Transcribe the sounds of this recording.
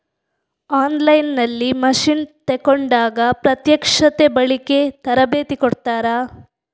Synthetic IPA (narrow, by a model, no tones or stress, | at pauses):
aːnlɐjnːɐlːimɐʂint̪ekoɳɖaːɡɐpɾɐt̪jɐkʂɐt̪ebɐɭiket̪ɐɾɐbeːt̪ikoɽt̪aːɾɐ